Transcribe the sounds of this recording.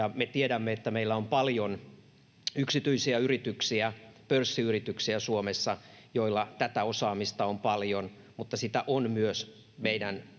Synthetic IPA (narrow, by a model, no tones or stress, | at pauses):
jɑmet̪iedæmːeet̪ːæmeilːæompɑljon | yksit̪yisiæyrit̪yksiæpørsːiyrit̪yksiæsuomesːɑjoilːɑt̪æt̪æosɑːmist̪ɑompɑljon | mut̪ːɑsit̪æʔonmyøs | meidæn